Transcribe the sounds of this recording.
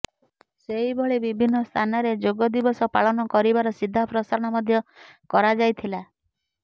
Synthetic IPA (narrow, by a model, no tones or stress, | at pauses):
seɦibɔɭibibʱinːɔst̪ʰanɔɾed͡ʒoɡɔd̪ibɔsɔpaɭɔnɔkɔɾibaɾɔsid̪ʱːapɾɔsaɾɔɽ̃ɔmɔd̪ʱjɔkɔɾad͡ʒajt̪ʰila